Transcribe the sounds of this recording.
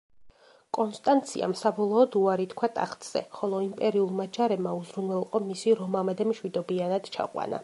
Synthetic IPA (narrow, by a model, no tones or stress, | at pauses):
kʼɔnst̪ʼant̪sʰḭa̰msabɔlˠɔːd̪uaɾit̪kʰwat̪ʼa̰χt̪ʼz̥ɛ̰χɔlˠɔimpʼɛɾiulˠmad͡ʒaɾɛbmauzɾunvɛlˠqʼɔmisiɾɔmamɛd̪ɛmʃwid̪ɔbianad̪̥t͡ʃʰa̰qʼwa̰na̰